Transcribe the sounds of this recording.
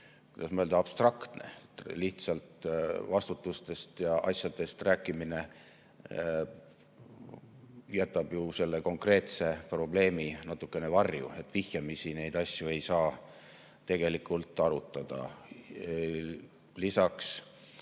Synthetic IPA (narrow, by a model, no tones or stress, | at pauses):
ku̥jd̪̥ɑsmɑøld̪ɑɑb̥st̪rɑkt̪ne̞̰t̪ːliht̪sɑlt̪vɑst̪ut̪ːˑust̪e̞st̪jɑʔɑsjɑd̪̥e̞st̪ræːkːˑimine̞ | jæt̪ːˑɑb̥juse̞lːe̞ko̞ŋkre̞ːt̪se̞pro̞ble̞ːminɑt̪ːˑukːˑe̞ne̞vɑrjṵe̞t̪ːˑvihjɑmisine̞jd̪̥ɑsʲjue̞jsɑː | t̪e̞ɡ̥e̞likːˑult̪ːˑɑɾut̪ːˑɑd̪̥ɑ̰ | lisɑks